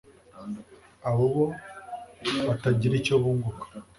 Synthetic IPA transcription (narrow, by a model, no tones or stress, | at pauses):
aβoβo | βataɟiɾicoβuːŋɡukḁ